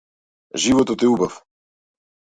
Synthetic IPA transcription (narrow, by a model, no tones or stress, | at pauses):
ʒivot̪ot̪iubaf